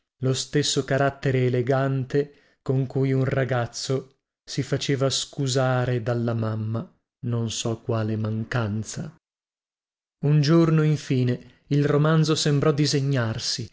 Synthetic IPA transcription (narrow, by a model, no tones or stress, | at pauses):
lost̪esːokaɾat̪ːeɾeːleɡant̪e | koŋkujunraɡat̪sːo | sifat͡ʃeːvaskuzaːɾed̪alːamamːa | nonsɔkːwaːlemaŋkant̪sa | und͡ʒornoiɱfiːne | ilromand̪zosembɾɔd̪izeɲːarsi